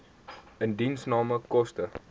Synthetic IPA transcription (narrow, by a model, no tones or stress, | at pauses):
əndinsnɑːməkɔstə